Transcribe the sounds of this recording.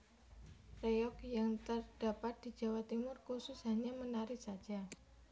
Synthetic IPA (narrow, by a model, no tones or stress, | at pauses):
rejɔk̚jaŋt̪ərd̥apat̪̚d̪̥i̤d͡ʒa̤wat̪imʊrkusʊsɦaɲamənaɾɪhsad̥d͡ʒ̥a